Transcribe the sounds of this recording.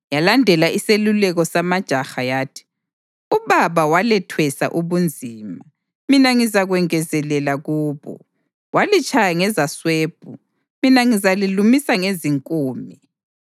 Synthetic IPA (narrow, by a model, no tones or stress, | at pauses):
jalandʱɛlaʔiselulɛɣɔsamad̥ʒ̥ʱaxajaːtʰi̥ | uβaβawalɛtʰwɛsa̰ʔuβund͡zʱiːma | minaŋizaɣwɛŋɛzɛlɛlaɣuːβɔ̰ | walit͡ʃʼajaŋɛzasweːb̥ʱu | minaŋizalilumisaŋeziŋkʼuːmi